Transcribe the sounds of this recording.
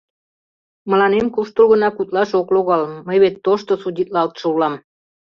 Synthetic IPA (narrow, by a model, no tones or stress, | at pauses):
mə̆lɑnemkuʃt̪ulɣə̆nɑkut̪lɑʃokloɣɑlməjβet̪ːoʃt̪osudʲit̪̚lɑlt̪ʃoulɑm